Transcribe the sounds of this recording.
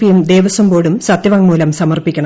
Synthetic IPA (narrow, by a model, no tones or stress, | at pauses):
pijumd̪eːʋɐsɐmbo̞ːɽumsɐt̪jɐʋɐŋmuːlɐmsɐmɐrpikʲːɐɳɐ